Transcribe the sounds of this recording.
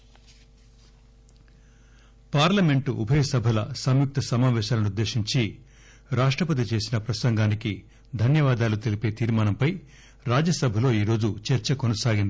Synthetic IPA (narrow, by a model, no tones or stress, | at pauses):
paːɾlɐme̞ɳʈuʔṵbʱɐjɐsɐbʱɐlɐsɐmjuk̚t̪ɐsɐmaːʋɛːʃaːlɐnud̪ːe̞ːʃiɲt͡ʃi | ɾaːʂʈɾɐpɐt̪̬it͡ʃe̞ːsinɐpɾɐsɐŋɡaːniki | d̪ʱɐnjɐʋaːd̪aːlut̪e̞lipeːt̪iːɾmaːnɐmpɐj | ɾaːd͡ʒɐsɐbʱɐlo̞ːiːɾo̞ːd͡ʒut͡ʃɛɾt͡ʃɐkonɐsaːɡind̪i